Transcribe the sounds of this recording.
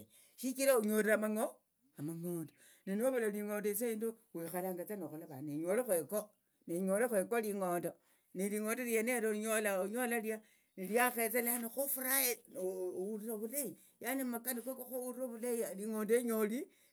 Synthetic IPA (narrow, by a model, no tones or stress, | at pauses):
ʃikiɾauɲoɾamaŋo | amaŋoːndo | ninoβalaliŋoːndois̬eindowexalaŋɡat͡sanoxulaβa̰neɲolexweko | neɲolexwekoliŋoːndo | niliŋondoljaneɾoɲolaɲolalja | niljaxet͡seleanoxufuɾaenouɾiɾaβulai | janemakanikekoxouɾiroβulaialiŋoːndeɲoli